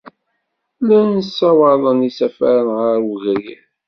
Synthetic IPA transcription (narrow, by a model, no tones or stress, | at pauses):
lænəsːɑwɑðˤənisæfæɾənʁəɾwəɣɾi